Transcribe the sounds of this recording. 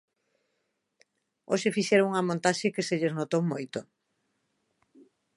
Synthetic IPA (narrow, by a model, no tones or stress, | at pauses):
oʃefiʃɛɾouŋɐmõnt̪aʃekeseʎeznot̪owmojt̪ʊ